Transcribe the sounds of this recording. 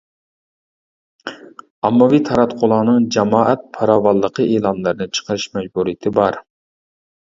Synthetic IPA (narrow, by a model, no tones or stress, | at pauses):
ɑmːɑvit̪ʰɑɾɑt̪qʰʊlˠɑːnɨŋd͡ʒɛmɑːʔɛt̪̚pʰɑɾɑːwɑlˠːəqʰəʔeːlˠɑnlˠɨɾɨnɨt͡ʃʰə̥qʰəɾɪʃmɛd͡ʒbuɾijɪt̪ʰɪbɑɾ